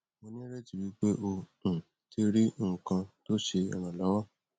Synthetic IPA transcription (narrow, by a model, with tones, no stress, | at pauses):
mo˧nĩ˦ɾe˦ti˨wi˨˦k͡pe˦ʔo˦˧ũ˨ | te˦ɾi˦õ˦˨kã˧to˦ʃe˧ɔ̰˨ɾã˨lɔ˨˦wɔ˦